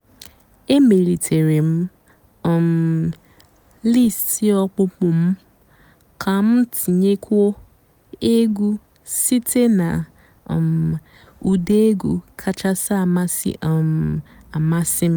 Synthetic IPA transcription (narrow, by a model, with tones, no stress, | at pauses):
e˦me˨li˨tʰe˨ɾi˨m̩˦˨ | m | li˦˨sti˦ɔ˦k͡pʊ˦pʊ˨m̩˦ | kʰa˨m̩˦ti˨ɲe˦kʰu˦o˦ | e˦ɡu˦ | si˦tʰe˦na˨ | m˨ | u˨de˦e˦ɡu˨kʰa˦t͡ʃa˦sa˦˨ma˦sḭ˦˨ | a˨ma˦sɪ˦m˦